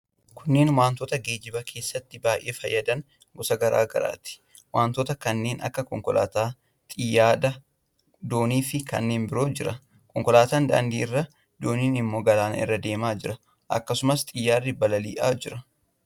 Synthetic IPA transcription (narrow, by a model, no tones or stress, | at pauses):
kʰʊnːe̞ːnwaːnt̪oːt̪ɐɡe̞ːd͡ʒɪbɐkʰe̞ːsːɐt̪ːɪbaːʔe̞ːfɐjːɐd̪ɐn | ɡɔsɐɡɐɾa̰ːɡɐ̰ɾa̰ːt̪ɪ̥ | waːnt̪oːt̪ɐkɐnːe̞ːnɐ̰kːɐkɔ̰ŋkɔlʔa̰ːt̪aː | t̪ʼɪjaːd̪ɐ | d̪o̞ːniːfɪkɐ̰nːe̞ːnbɪɾo̞ːd͡ʒɪɾɐ | kɔŋkɔlaːt̪aːnd̪ɐ̰ːnd̪iːɪrːɐ | d̪̥oːniːnɪmːo̞ːɡɐlaːnɪ̰rːɐd̪e̞ːmaːd͡ʒɪɾɐ | ʔɐ̰kːɐsʊmɐst̪ʼɪjːaːrːɪbɐlɐlḭːʔaːd͡ʒɪɾɐ